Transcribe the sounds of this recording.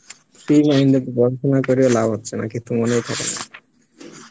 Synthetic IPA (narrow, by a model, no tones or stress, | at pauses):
filaind̪opoɡɔɾʃonakoɾiolabʱɦot̪ːɕʰena̰kit̪ːumonejk̪ʰɔbḛna̰